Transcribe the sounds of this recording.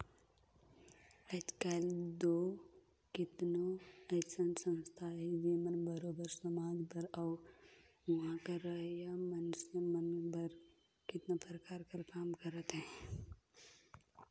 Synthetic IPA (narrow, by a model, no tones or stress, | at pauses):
əd͡ʒkald̪oː | kɪt̪noəsənsə̃nst̪ʰaɦɛd͡ʒiːmənbəɾoːbəɾsəmaːd͡ʒpəɾɔː | ʋɐɦãkaɾəɦjamənsəmənbəɾ | kɪt̪napɾəkaːɾkəɾkaːmkəɾət̪ɦɛ̃